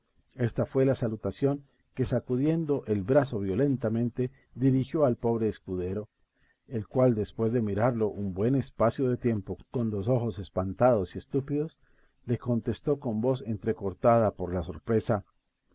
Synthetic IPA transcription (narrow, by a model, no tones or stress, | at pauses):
e̞st̪afwe̞lasalut̪asjo̞ŋ | ke̞sakuðje̞nd̪o̞ʔelbɾaso̞βjo̞le̞nt̪amẽ̞nt̪e̞ | ðiɾixjo̞alpo̞βɾe̞ːskuðe̞ɾo̞ | elkwald̪e̞spwe̞zðe̞miɾaɾlo̞ʔumbwe̞ne̞spasjo̞ðe̞t̪je̞mpo̞ko̞nlo̞so̞xo̞se̞spant̪aðo̞sie̞st̪upiðo̞s | le̞ko̞nt̪e̞st̪o̞ko̞mbo̞se̞nt̪ɾe̞ko̞ɾt̪að̞apo̞ɾlaso̞̰ɾpɾe̞sa